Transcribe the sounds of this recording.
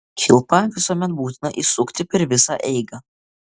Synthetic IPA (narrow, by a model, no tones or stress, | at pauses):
kʲʰɪlˠpɐʋʲɪsuɔmʲɛt̪̚buːt̪ʲɪnɐʔiːsʊkt̪ʲɪpʲɛɾʋʲɪsɑʔɛɪɡɐ